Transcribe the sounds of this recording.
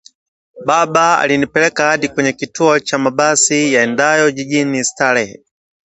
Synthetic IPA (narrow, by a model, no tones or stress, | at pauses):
babaa̰linipɛlɛkahadikwɛɲɛkituɔt͡ʃamabasijaɛndajɔd͡ʒiɟinistalɛhɛ